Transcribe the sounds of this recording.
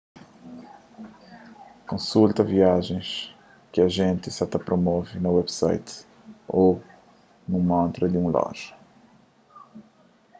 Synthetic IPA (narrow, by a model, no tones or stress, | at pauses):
kõsult̪ɐviaʒẽj̃s | kɪɐʒẽnt̪ɪsat̪ɐpɾomɔvɪnɐwɛbsa̰jt̪ | o | nũmõnt̪ɾɐd̪ɪũlɔ̰ʒɐ̥